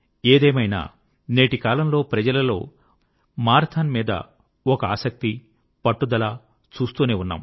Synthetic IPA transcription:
eːd̪eːmɐjna̰ː | neːʈikaːlɐmlo̞ːpɾɐd͡ʒɐlɐlo̞̰ː | maːɾɐt̪ʰanmiːd̪ɐ̰ | ɔkɐaːsɐk̚t̪i | pɐʈːud̪ɐlaː | t͡ʃuːst̪uːneːunːa̰ːm

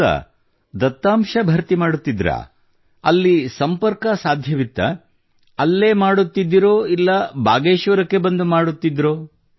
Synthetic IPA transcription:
ɐ̰ | d̪ɐt̪ːaːmʂɐbʱɐɾt̪imaːɽut̪ːid̪ɾɐ̰ | ɐlːisɐmpɐɾkɐsaːd̪ʱjɐʋit̪ːɐ̰ | ɐlːe̞ːmaːɽut̪ːid̪ːiɾoːilːɐbʱa̰ːɡeːʃʋɐɾɐkːe̞bɐnd̪umaːɽut̪ːid̪ɾoː

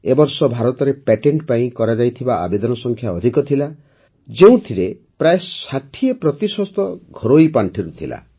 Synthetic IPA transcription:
ebɔɾsɔbʱaɾɔt̪ɔɾepeʈeɳʈpaĩkɔɾad͡ʒajt̪ʰibaʔa̰bed̪ɔnɔsɔŋkʰjaɔd̪ʱikɔt̪ʰila | d͡ʒeũt̪ʰiɾe | pɾaesat̪ʰiepɾɔt̪isɔst̪ɔɡʱɔɾoipaɳʈʰiɾut̪ʰila̰

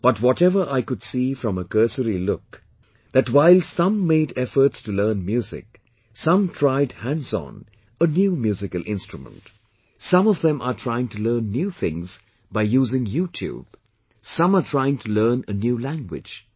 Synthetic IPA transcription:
b̥ʌtwɔtɛvə˞ʔaɪkʊdsiːfɾʌ̃məkɜ˞səɾilʊk̚ | ð̥ætwaɪlˠsʌ̃mːeɪdɛfə˞tstulɜːnmjuːzɪ̰k̚ | sʌ̃mtʰɹ̥aɪdhæ̃ndzɔ̰̃n | ənjuːmjuːzɪkəl̩ˠʔɪ̰̃nstɹumə̰̃nt | sʌ̃mɔvðɛ̃mʔətʰɹ̥aɪɪ̃ŋtʰulɜ̃ːnːjuːθɪ̰̃ŋz | baɪjuːzɪ̃ŋjuːtʰjṵːb̥̚ | sʌ̃mətʰɹ̥aɪɪ̃ŋtʰulɜːnənjuːlæ̃ŋɡwɪ̰̥d͡ʒ̥

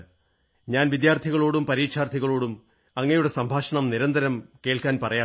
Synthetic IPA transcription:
ɲaːnʋid̪jaːrt̪ʰiɣɐɭoːɽumpɐɾiːkʂʰaːrt̪ʰiɣɐɭoːɽum | ɐŋːɐjuɽe̞sɐmbʱaːʂɐɳɐmniɾɐnd̪ɐɾɐmke̞ːɭkaːnpɐrɐjaː

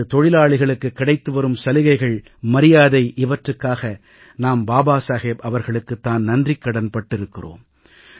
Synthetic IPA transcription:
ɯt̪ɔɻɪlaːɭɪɣɐɭɯkːɯkːɪɽɐɪt̪ːɯʋɐɾɯmsɐlɪɣɐɪɣɐɭ | mɐɾɪjaːðɐɪʔɪʋɐʈrɯkːaːɣɐ | naːmbaːbaːsaːɣeːbɐʋɐɾɣɐɭɯkːɯt̪ːaːnnɐndrɪkːɐɽɐnpɐʈːɪɾɯkːɪro̰ːm

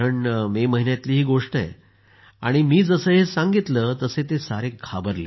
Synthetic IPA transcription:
əɳmeməɦinjat̪liːɦiːɡoʂʈəḛ | a̰ɽ̃imiːd͡zəsəɦesãŋɡit̪ləːt̪əset̪esaɾekʰabəɾle

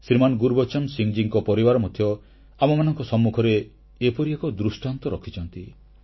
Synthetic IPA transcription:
siɾmanɔɡuɾbɔt͡ʃɔmsiŋd͡ʒiŋkɔpɔɾibaɾɔmɔd̪ʱʰjɔ | amɔmanɔŋkɔsɔmːukʰɔɾeː | pɔɾiekɔd̪ɾusʈant̪ɔɾɔkʰit͡ʃʰɔnt̪i

